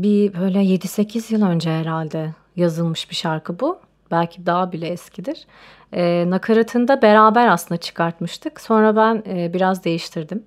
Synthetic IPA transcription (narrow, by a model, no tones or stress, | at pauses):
bibø̞jlʲɛje̞d̪ise̞cʰizjɯlˠø̞nd͡ʒɛɦɛɾalʲd̪ɛ | jazɯlˠmɯʃbiʃaɾkʰɯbu | b̥ælʲcʰid̪aɦabilʲɛːscʰid̪iɾ̥ | ɛːnakʰaɾat̪ʰɯnd̪abe̞ɾaːbæɾasɯnd̪at͡ʃʰɯ̥kʰaɾt̪mɯʃt̪ʰɯkso̞nɾabænɛːbiɾazd̪e̞jiʃt̪ʰiɾd̪im